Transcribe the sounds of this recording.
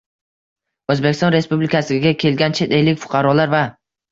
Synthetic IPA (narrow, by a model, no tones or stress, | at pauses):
ɵzbekʲɪst̪ɒnɾe̞spublɪkʰasɪɡʲakʲʰe̞lɡʲant͡ʃʰe̞t̪ejlɪkʲfʊ̥qʰɑɾɒlaɾva